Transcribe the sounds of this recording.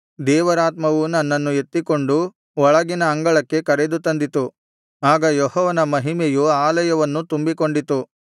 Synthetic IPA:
d̪ɛːʋɐɾaːt̪mɐʋunɐnːɐnːue̞t̪ːiko̞ɳɖu | ɔɭɐɡinɐɐŋɡɐɭɐkːe̞kɐɾed̪ut̪ɐnd̪it̪u | aːɡɐjɔhɔːʋɐnɐmɐɦimejuaːlɐjɐʋɐnːut̪umbiko̞ɳɖit̪u

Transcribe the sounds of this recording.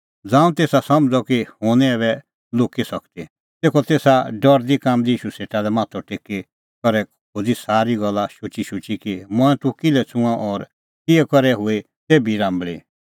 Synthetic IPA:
d͡zãːũt̪eːsasɐmd͡zɔkihoːñieːβɛ | loːkisɐkt̪i | t̪eːkʰɔt̪eːsaɖɔɾd̪ikaːmd̪iiːʃuseːʈalɛmãːt̪ʰɔʈeːki | kɔɾɛ | kʰoːd͡zisaːɾiɡɔlːaʃʊt͡ʃiʃʊt͡ʃikimɔ̃ɛ̃t̪ʊkɪlɛt͡sʊ̃ãʔɔːɾ | kiɛkɔɾɛɦʊe | t̪eːbiɾãːmbɭi

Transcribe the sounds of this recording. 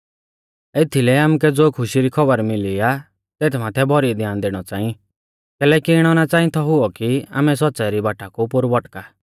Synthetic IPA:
et̪ʰilɛaːmukɛd͡zoːkʰʊʃiɾikʰɔbəɾmɪlia | t̪eːt̪ʰmaːt̪ʰɛbʱɔɾid̪jaːnd̪eɽ̃ɔt͡sãːĩ | kɛːlɛːkiɪɽ̃ɔnat͡sãːĩt̪ʰɔɦʊɔkia̰ːmɛs̬ɔtːt͡saɛɾibaːʈakupʊɾbɔʈka

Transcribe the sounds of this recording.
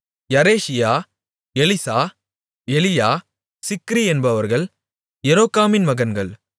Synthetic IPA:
jɐɾeːsɪjaː | ɛlɪsaː | ɛlɪjaː | sɪkːɾiɛnbɐʋɐɾɣɐɭ | jɛɾoːkːaːmɪnmɐɣɐnɡɐɭ

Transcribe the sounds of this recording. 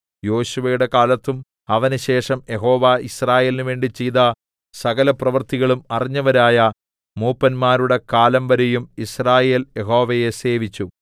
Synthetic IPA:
jo̞ːɕuʋɐjuɽe̞kaːlɐt̪ːum | ɐʋɐnuɕe̞ːʂɐmjeɦo̞ːʋaisraːje̞ːlinuʋe̞ːɳɖit͡ɕejðɐ | sɐɣɐlɐprɐʋɐrt̪iɣɐɭumɐriɲːɐʋɐɾaːjɐ | muːpːɐnmaːɾuɽe̞kaːlɐmʋɐɾejumisraːje̞ːljeɦo̞ːʋɐje̞se̞ːʋit͡ɕːu

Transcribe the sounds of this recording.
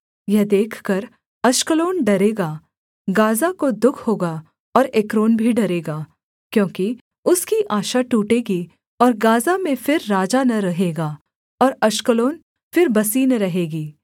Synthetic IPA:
jɛɦd̪eːkʰkɐɾ | ɐʃkəloːnɖɐɾeːɡaː | ɡaːzakod̪ʊkʰhoːɡa | ɔːɾekɾoːnbʱiɖɐɾeːɡaː | kjõːki | ʊskiʔaːʃaʈuːʈeːɡi | ɔːɾɡaːzamẽfɪɾːaːd͡ʒanɐɾɐɦeːɡaː | ɔːɾɐʃkəloːn | fɪɾbɐsiːnɾɐɦeːɡiː

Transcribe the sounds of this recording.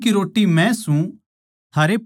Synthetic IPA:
kiɾoːʈːimɛ̃sũ | t̪ʰaːɾep

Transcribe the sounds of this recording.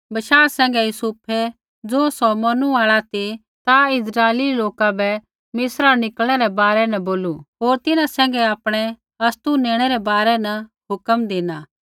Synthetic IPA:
bɐʃaːɾsɛ̃ːŋɡɛjusʊpʰe | d͡zoːsɔmɐnuaːɭat̪i | t̪aɪsɾaːeliloːkabɛ | mɪsɾanɪkəlɽ̃ɛɾɛbaːɾɛnɛboːluɦoːɾt̪ɪnãsɛ̃ːŋ̆ɡɛaːpɽ̃ɛ | ɐst̪unẽːɽ̃ɛɾɛbaːɾɛnɐ | ɦʊkəmd̪eːnaː

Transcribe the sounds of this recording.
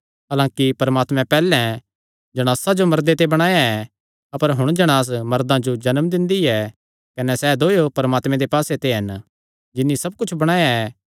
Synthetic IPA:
ɦalãːkipɐɾmaːt̪mɛ̃pɛːlɛ̃ | d͡ʒɐɽ̃aːsad͡ʒomɐɾd̪et̪ebɐɽ̃aːjaɛ | ɐpəɾɦʊɽ̃d͡ʒɐɽ̃aːs̬mɐɾd̪ãd͡ʒod͡ʒɐnmd̪ɪ̃nd̪iɛ | kɐnɛsɛːd̪oːjopɐɾəmaːt̪mɛ̃d̪epaːset̪eɦɐn | d͡ʒɪnːisɐb̚kʊt͡ʃʰbɐɽ̃aːjaɛ

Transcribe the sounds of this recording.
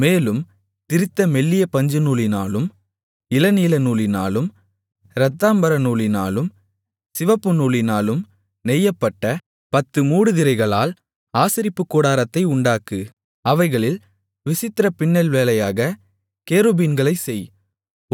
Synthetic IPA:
meːlɯm | t̪ɪɾɪt̪ːɐmɛɭːɪjɐpɐɲd͡ʒɯnuːlɪnaːlɯm | ɪlɐniːlɐnuːlɪnaːlɯm | ɾɐt̪ːaːmbɐɾɐnuːlɪna̰ːlɯm | sɪʋɐpːɯnuːlɪnaːlɯm | nɛjːɐpːɐʈːɐ | pɐt̪ːɯmuːɽɯðɪɾɐɪɣɐɭaːl | aːsɪɾɪpːɯkːoːɽaːɾɐt̪ːɐɪʊɳɖaːkɯ | ɐʋɐɪɣɐɭɪl | ʋɪsɪt̪ːɪɾɐpɪɳːɐlʋeːlɐjaːɣɐ | keːɾoːbinɡɐɭɐɪsɛj

